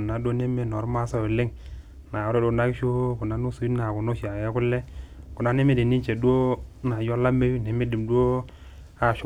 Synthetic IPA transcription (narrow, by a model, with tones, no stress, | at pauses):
nːa˨do˦ne˦mːe˦no˨ɾma˦so˦jo˨le˦ŋ | na˨o˦ɾe˦do˦na˦kʃo˦ku˨nːa˦nu˦su˨i˦na˨ku˨no˦ʃi˨a˨je˦ku˦lːe˦ku˨na˦ne˦me˦di˨ni˦t͡ʃe˨du˦o˦na˨jo˦la˦me˦wi˦ne˨me˦di˨mdʷo˦ | a˨ʃ